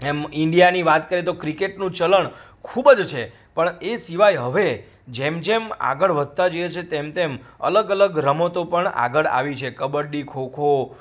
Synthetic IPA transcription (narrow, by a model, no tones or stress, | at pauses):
emɪɳɖijaniʋat̪kəɾet̪okɾikeʈnũt͡ʃələɳ | kʰubəd͡ʒt͡ʃʰe | pəɳesiʋajɦəʋe | d͡ʒemd͡ʒema̰ɡəɭʋəd̪̚ʱt̪ad͡ʒoet͡ʃʰet̪emt̪emə̰ləɡələɡɾəmot̪opəɳa̰ɡəɭa̰ʋit͡ʃʰekəbəɽɖikʰokʰo